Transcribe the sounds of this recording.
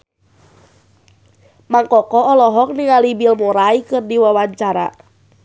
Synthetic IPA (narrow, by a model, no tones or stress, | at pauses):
maŋkɔkɔɔlɔɦɔk̚niŋalibilmuɾaikɨrdiwawaɲt͡ʃaɾa̰